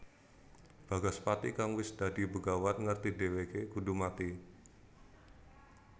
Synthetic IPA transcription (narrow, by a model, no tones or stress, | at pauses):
b̥aɡaspat̪ikaŋwɪsd̥adibəɡawanŋərt̪idewekeɡ̥udumat̪i